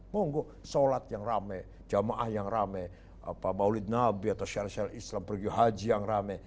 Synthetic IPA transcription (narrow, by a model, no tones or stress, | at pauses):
mɔŋɡɔ | solat̪̚jaŋramɛ | d͡ʒamaʔahjaŋramɛ | a̰pamaulɪt̪̚nabiat̪awʃaɾaʃaɾislampəɾɡiuɦad͡ʒijaŋramɛ